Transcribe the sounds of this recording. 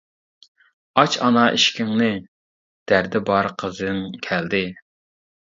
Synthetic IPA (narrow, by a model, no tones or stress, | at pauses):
ɑt͡ʃɑnɑʔiʃkʲɪŋnɨ | d̪̥æɾd̪ɪbɑɾqʰəzŋkʲʰæld̪ɪ